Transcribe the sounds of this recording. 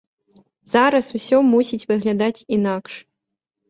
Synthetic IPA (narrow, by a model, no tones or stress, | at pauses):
z̥aɾɐsusʲɔmusʲit͡sʲvɨɣlʲad̪at͡sʲinakʂ